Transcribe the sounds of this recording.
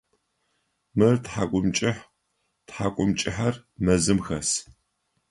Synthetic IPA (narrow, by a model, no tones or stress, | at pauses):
mɨrtħaːkʷʼʊmt͡ʃʼɪħ | tħaːkʷʼʊmt͡ʃʼɪħɐrmɐzɨmxɐs